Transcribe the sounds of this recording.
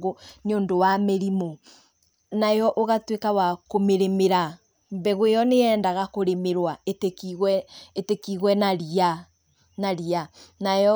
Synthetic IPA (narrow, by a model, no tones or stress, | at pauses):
onioːndowameɾimo | najɔʔoɣatwekawakomeɾemeɾa | mbɛɣoejɔneɛːndaɣakoɾemeɾwaetekiɣwɛetekiɣwɛnaɾia | naɾianajɔ